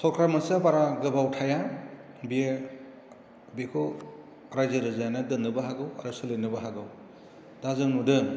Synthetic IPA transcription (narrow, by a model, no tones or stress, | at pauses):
sɔɾkʰɾamɯsabaɾaɡɯbawtʰaja | bije | bekʰo | ɾajzaɾɯzajanadɯnːɯbaɦaɡɯwaɾɯsɯlɯnɯbaɦaɡɯw | d̥azɯŋnudɯ